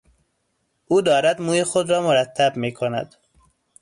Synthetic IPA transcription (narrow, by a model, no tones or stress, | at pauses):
ʔuːd̪ɒːɾæd̪muːjexod̪ɾɒːmoɾæt̪ʰːæbmiːkʰonæ̰d̪̥